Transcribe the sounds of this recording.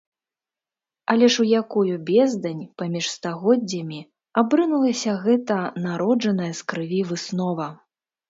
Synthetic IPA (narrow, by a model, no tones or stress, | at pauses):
ɐlʲɛʂujakujubʲɛzd̪ɐnʲpamʲiʂst̪aɣɔd͡zʲːɐmʲi | abɾɨnulˠɐsʲɐɣɛt̪ɐnaɾɔd͡ʐɐnɐjɐskɾɨvʲivɨsnɔvɐ